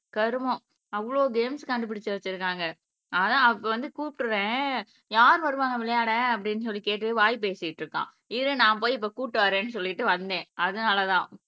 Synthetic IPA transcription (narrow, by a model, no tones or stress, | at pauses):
kɐɾɯmõ | ɐʋɐɭoːɡeːmskɐɳɖɯpɪɽɪt͡ʃːɯʋɐt͡ʃːɪɾɯkːaːŋɡɐ | ɐðãːɐpːɐʋɐnd̪ɯkuːpʈːɯɾẽː | jaːɾɯʋɐɾɯʋaːŋɐ̃ʋɪɭɐjaːɽɛ̃ɐp̬ːɐɽɪnːɯs̬ɔlːikeːʈːɯɯʋaːjp̬eːsɪjɪʈːɾɯkːã̰ː | ɪðɯnãːp̬oːjɪp̬ːoːkuːʈːɯʋaːɾẽːnːɯsɔlːɪɪʈːɯʋɐnd̪ẽːɐðɯnaːlɐt̪ãː